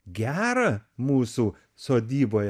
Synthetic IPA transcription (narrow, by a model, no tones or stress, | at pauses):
ɡʲæːɾɐmuːsuː | soːd̪ʲiːboːjɛ